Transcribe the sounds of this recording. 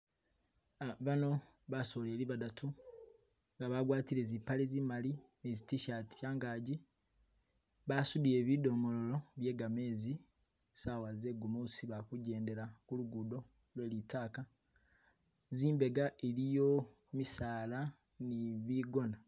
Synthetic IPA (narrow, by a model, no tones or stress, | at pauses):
βano̞ | βaso̞ːle̞ːliβadatʰu | ŋɡaβaɡwaːtiɾezipalezimalimezitiʃati̥βjaːŋɡaːɟi | βasudije̞ːβido̞mo̞lo̞loβje̞ːɡameːzi | sawaze̞ɡomosiβakuɟe̞ːnde̞ɾakuluɡudo̞ | lwe̞ːlitaːka | ziːmbe̞ɡaʔelijo̞ | misaːla | niβiːɡo̞na